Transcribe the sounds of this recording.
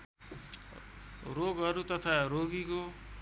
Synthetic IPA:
ɾoɡʌɾut̪ʌt̪ʰaɾoɡiko

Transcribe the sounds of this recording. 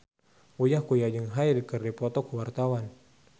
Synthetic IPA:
ujahkujad͡ʒəŋɦaidikərdipɔt̪ɔkuwart̪awan

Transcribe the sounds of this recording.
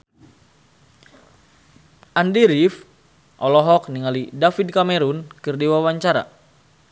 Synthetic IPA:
ʔandiɾif | ʔɔlɔɦɔk̚niŋalidafid̚kamɛɾunkɨrdiwawaɲt͡ʃaɾa̰

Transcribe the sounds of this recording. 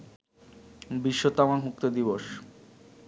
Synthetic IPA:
biʃːot̪amanɦuk̚t̪od̪iβoʃ

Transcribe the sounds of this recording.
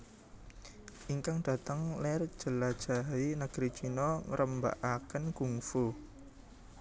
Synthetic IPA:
ʔiŋkaŋd̥ä̤t̪əŋlɛr̥ʒ̥ə̤lad̥ʒ̥a̤ɦinəɡ̥ɾi̥t͡ʃinɔŋəɾʔəmba̰ʔakənɡ̥uŋfu

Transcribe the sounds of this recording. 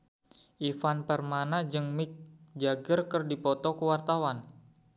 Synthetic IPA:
ʔifanpɛrmanad͡ʒɨŋmɪk̚d͡ʒaɡərkərdipɔt̪ɔkəwart̪awan

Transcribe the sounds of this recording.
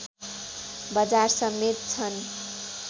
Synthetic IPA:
bʌd͡zarsʌmːet̪̚t͡sʰʌn

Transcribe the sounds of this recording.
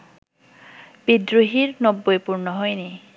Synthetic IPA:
b̥idɹuɦiɹnɔbːojpuɹnɔɦɔjne

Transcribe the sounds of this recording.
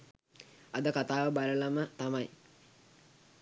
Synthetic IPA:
ɐd̪əkat̪aːʋəbaləlamət̪amaj

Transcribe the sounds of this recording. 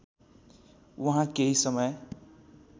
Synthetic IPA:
wuɦãkeɦisʌmʌj

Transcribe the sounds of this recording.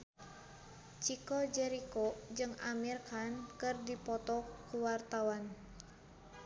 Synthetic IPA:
t͡ʃikɔd͡ʒɛɾikod͡ʒɨŋamirkankɨrdipɔt̪ɔkuwart̪awan

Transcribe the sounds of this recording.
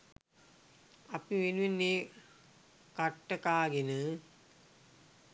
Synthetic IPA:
ɐpiʋenuʋenːeː | kaʈːəkaːɡenə

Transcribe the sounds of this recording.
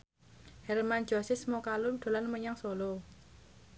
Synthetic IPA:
hɛrman̥d͡ʒ̥ɔsɪsmokalud̪̥o̤lanməɲaŋsolo

